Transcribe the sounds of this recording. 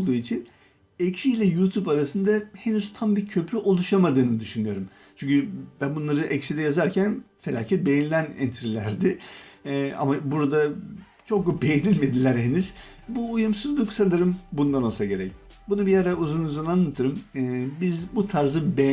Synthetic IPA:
lˠd̪uːit͡ʃʰin | ɛcsijlʲɛjuːt̪ʰupaɾasɯnd̪ahe̞nyz̥t̪ʰambiɾcʰø̞pʰɾyʔo̞lˠuʃamad̪ɯːnɯd̪yʃynyjo̞ɾum | t͡ʃʰyɲʲcʰʲybænbunˠaɾɯʔɛcsid̪ɛjazaɾcʰænfe̞lʲaːcʰɛt̪̚bejinilʲænɛ̰nt̪ʰɾilʲæɾd̪ɪ | a̰mabuɾad̪a | t͡ʃʰo̞k̚bube̞jenilʲmed̪ilʲæɾɦenyz̥ | buːjumsɯzlˠɯksanɯɾɯmbunanosaɟe̞ɾɛc̚ | bunubijaɾauzunuzananlˠat̪ʰɯɾɯmːbizbut̪ʰaɾzɯbe

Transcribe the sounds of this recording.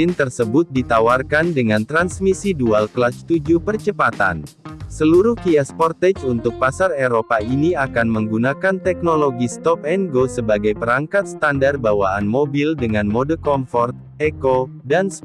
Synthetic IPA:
ɪnt̪ərsəbʊt̪̚dit̪awarkandəŋant̪ɾansmisidualklat͡ʃt̪ud͡ʒupərt͡ʃəpat̪a̰nsəluɾuhkiɛspɔrt̪ɛt͡ʃunt̪ʊk̚pasareɾopainiakanməŋɡunakant̪ɛk̚noloɡist̪ɔp̚ɛnɡosəbaɡajpəɾaŋkat̪̚st̪andar̚bawaanmobildəŋanmodəkɔmfɔrt̪̚ | ɛkodans

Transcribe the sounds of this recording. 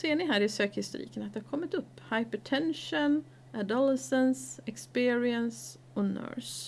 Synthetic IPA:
seːɳɪɦæːɾɪsøːkhɪst̪ʊ̰ɾḭːkənɑt̪d̪ɛhɑɾkʰɔmːət̪ʊpːhaɪpəʈʰɛnʃɔn | ad̪æləsɛnsɛkspɪːɹɪəns | ɔnœ̰ːs

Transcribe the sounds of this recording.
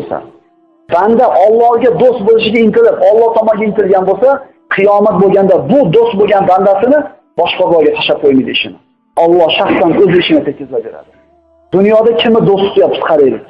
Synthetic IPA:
sa̰ | band̪aʔɒlˠːɒhɡʲad̪ost̪̚bolˠɪʃɪɡʲaɪnt̪ɪlɪpɒlˠːɒht̪ʰɒmɒnɡʲaɪnt̪ɪlɡʲanbolˠsa | qʰɨjɒmat̪̚bolˠɡʲand̪abʊd̪ost̪̚boɡʲanband̪asɪnɪ | bɒʃqɑzɒɾɡʲat̪ʰaʃap̚qʰojmijd̪ɪɪʃɪnɪ | ɒlˠːɒhʃaχsanɵzɪʃɪnɪt̪ʰet̪̚ʲkʰʲɪzlabeɾa̰d̪ɪ̥ | d̪ʊnjɒd̪akʲʰɪmɪd̪ost̪ʊ̥t̪jap̚t̪ʰʊ̥sqʰɑɾed̪ɪk̚ʲ

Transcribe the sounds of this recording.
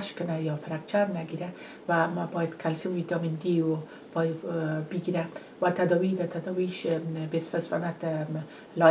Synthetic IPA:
ʃkʊnajɔfɪɾak̚t͡ʃaɾnaɡiɾa | wabɔjad̪kʰalsɪmid̪ɔmɪnd̪iwo | bɑjbiɡiɾa | wat̪ad̪ɔwid̪at̪ad̪ɔwiʃbesfasfa̰nat̪ | lɑ

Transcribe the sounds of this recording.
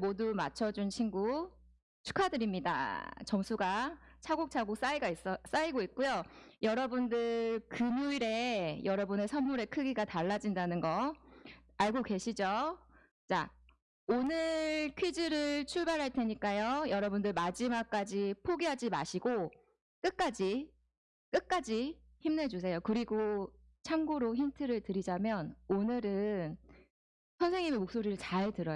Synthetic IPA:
modumat͡ɕʰʌd͡ʑunɕʰinɡu | t͡ɕʰu̥kʰadɯɾimɲida̰t͡ɕʌmsʰuɡa | t͡ɕʰaɡok̚t͡ɕʰaɡok̚s͈aiɡais͈ʌs͈aiɡoit̚k͈ujojʌɾʌbundɯɭkɯnuiɾe̞jʌɾʌbune̞sʰʌmːuɾe̞kʰɯɡiɡataɭːad͡ʑindanɯnɡʌ | aɭɡoke̞ɕʰid͡ʑo | t͡ɕ͈a | onɯɭkʰɥid͡ʑiɾɯɭt͡ɕʰuɭbaɾɦaɭtʰe̞ɲik͈ajojʌɾʌbundɯɭmad͡ʑimak͈ad͡ʑipʰoɡiɦad͡ʑima̰ɕʰiɡo | k͈ɯk̚k͈ad͡ʑi | k͈ɯk̚k͈ad͡ʑi | çimned͡ʑus̬ʰe̞jokɯɾiɡo | t͡ɕʰaŋɡoɾoçintʰɯɾɯɭtɯɾid͡ʑamjʌnonɯɾɯn | sʰʌnsʰe̞ŋɲime̞mok̚s͈oɾiɾɯɭt͡ɕaɭtɯɾʌ

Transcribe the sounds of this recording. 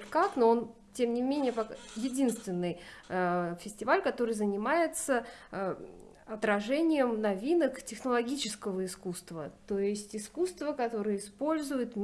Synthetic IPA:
kaknoon | tʲe̞mnʲɪmʲenʲɪjəpɐkjɪdʲinst̪vʲɪnːɨj | fʲɪsʲtʲɪvalʲkɐt̪o̞ɾɨjzənʲɪmajɪt̪sə | ɐt̪ɾɐʐɛnʲɪjəmnɐvʲinəktʲɪxnəlˠɐɡʲit͡ɕɪskəvəɪskust̪və̰t̪o̞jɪsʲtʲɪskust̪vəkɐt̪o̞ɾɨjəɪspo̞lʲzʊjɪt̪mʲ

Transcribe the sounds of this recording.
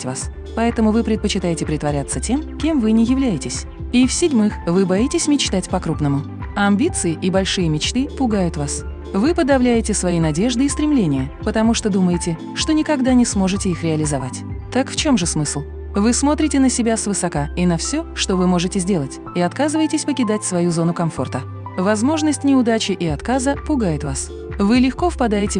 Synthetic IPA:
tʲva̰s | pɐɛt̪əmʊvɨpɾʲɪt̪̚pət͡ɕɪt̪ajɪtʲɪpɾʲɪt̪vɐɾʲat̪sːətʲe̞mkʲe̞mvɨnʲɪjɪvlʲæjɪtʲɪsʲ | ifsʲɪdʲmɨxvɨbɐitʲɪsʲmʲɪt͡ɕt̪atʲpɐkɾupnəmʊ | ɐmʲbʲit̪sɨjɪʔɪbɐlʲʂɨjəmʲɪt͡ɕt̪ɨpʊɡajʊt̪vas | vɨpəd̪ɐvlʲæjɪtʲɪsvɐjinɐdʲe̞ʐd̪ɨɪst̪ɾʲɪmlʲenʲɪjəpət̪ɐmuʂt̪od̪uməjɪtʲɪ | ʂt̪o̞nʲɪkɐɡd̪anʲɪsmo̞ʐɨtʲɪixɾʲɪɐlʲɪzɐvatʲt̪akft͡ɕo̞mʐɨsmɨslˠ | vɨsmo̞t̪ɾʲɪtʲɪnəsʲɪbʲasvɨsɐkainəfsʲoʂt̪o̞vɨmoʐɨtʲɪzʲdʲe̞lˠətʲ | iɐt̪kazɨvəjɪtʲɪsʲpəkʲɪd̪atʲsvɐjuzo̞nʊkɐmfo̞rt̪ə | vɐzmo̞ʐnəsʲtʲnʲɪʊd̪at͡ɕɪʔɪɐt̪kazəpʊɡajɪt̪vas | vɨlʲɪxko̞fpɐd̪ajɪtʲɪ

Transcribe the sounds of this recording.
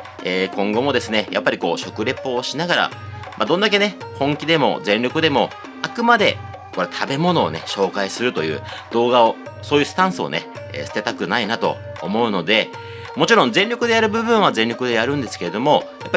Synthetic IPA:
eːkõ̞ŋɡo̞mo̞d̪e̞sɨne̞ja̰pːaɾʲiko̞ːɕo̞kɯ̟ɾe̞pːo̞ːɕinaɡaɾa̰ | mʔad̪ond̪ak̬e̞ne̞hõ̞ŋkʲid̪e̞mo̞̰zẽ̞nʲɾʲokɯ̟d̪e̞mo̞ | akɯ̟mad̪e̞ | ko̞ɾe̞t̪ʰabe̞mo̞no̞̰ːneɕo̞ːkaisɨɾɯ̟t̪o̞jɯ̟ːd̪̥o̞ːɡao | so̞ːjɯ̟sɨ̥t̪ãɰ̃sɨo̞̰ne̞̰ | ḛːsɨ̥t̪e̞t̪akɯ̟nainat̪o̞̰ː | mo̞ɯ̟no̞d̪e̞ | mo̞t͡ɕiɾõnzẽ̞nʲɾʲo̞kɯ̟d̪e̞jaɾɯ̟bɯ̟bɯ̟̃ɰ̃β̞azẽ̞nʲɾʲo̞kɯ̟d̪e̞jaɾɯ̟̃nd̪e̞sɨ̥ke̞ɾe̞d̪o̞mo̞japːai

